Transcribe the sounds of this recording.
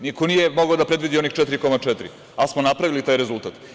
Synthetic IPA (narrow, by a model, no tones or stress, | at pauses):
nikonije̞moɡaod̪apɾe̞d̪ʋid̪io̞nixt͡ʃɛt̪iɾiko̞mat͡ʃɛt̪ɾḭ | asmo̞napɾaʋilit̪aːjɾe̞zult̪at̪